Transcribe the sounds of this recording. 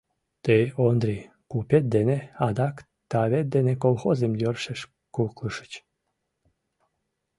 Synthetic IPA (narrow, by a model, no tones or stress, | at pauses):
t̪eond̪ɾi | kupʲet̪̚d̪enead̪ak | t̪aβet̪̚d̪enekolˠxozemd̪ørʃeʃ | kuklɨʃə̥t͡ɕ